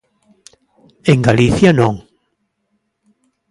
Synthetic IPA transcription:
eŋɡaliθjanõŋ

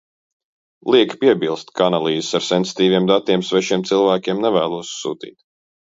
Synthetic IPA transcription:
lˠiɛkpiɛbilˠst̪kaanalˠiːzsaɾsɛnsi̥t̪iːviɛmd̪at̪iɛmsvɛʃiɛmt̪silˠvæːkʲiɛmnɛvæːlˠuɔssuːt̪ḭːt̪

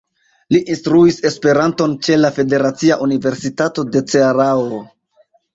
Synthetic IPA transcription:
liʔinstɾuise̞spe̞ɾanto̞nt͡ʃe̞lafe̞de̞ɾat͡siaʔunive̞ɾsitato̞de̞t͡seaɾao

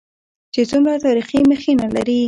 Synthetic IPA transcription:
t͡ʃet͡sumɾat̪ɑɾiximəxenala̰ɾi

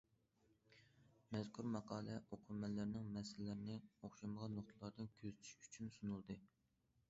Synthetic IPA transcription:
mɛzkʰʲuɾmɑqʰɑːlˠɛʔoqʰʊɾmɛlːɪɾnɪŋmɛsɪlɪlɪɾɪnɪoχʃɑməʁɑnːoχt̪ʰɨlˠɑɾd̪ɨnkʲʰøzt͡ʃ̪ʰy̥ʃy̥t͡ʃʰynsunulˠd̪ɨ

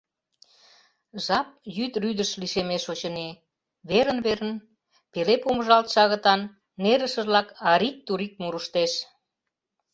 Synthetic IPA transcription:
ʒɑp̚jyt̪ryd̪əʃliʃemeʃot͡ɕəne | βeɾənβeɾən | pelepoməʒɑlt̪ʃɑɣə̆t̪ɑnː | eɾəʃə̆ʒlɑkɑɾik̚t̪uɾik̚muɾəʃt̪eʃ

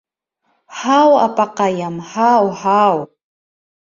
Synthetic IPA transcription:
ħawa̰pʼaqajamhawħaw

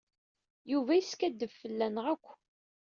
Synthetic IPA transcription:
juvæjiskæd̪ːəvfəlːænʁækʷː

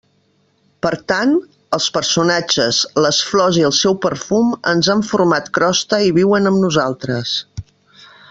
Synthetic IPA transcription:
pəɾt̪an | əlˠspəɾsunad͡ʒəzləsflɔziəlˠsɛwpəɾfumə̰nzaɱfurmat̪kɾɔst̪əiβiwənəmnuzalˠt̪ɾəs

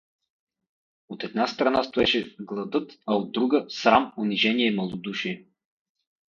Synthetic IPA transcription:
ot̪ɛd̪̚nast̪ɾɐnast̪oɛʃɛɡlˠɐd̪ɤt̪ɐod̪ːɾuɡəsɾamʊniʒɛniɛimɐlˠod̪uʃiɛ

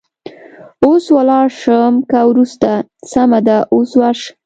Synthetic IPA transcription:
oswalɑɾʂəmkawɾust̪asamad̪aʔoswaɾʃ

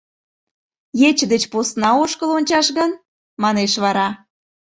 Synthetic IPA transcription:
jet͡ɕəd̪et͡ɕposnɑoʃkəlonʲt͡ɕɑʃɣən | mɑneʃβɑɾɑ

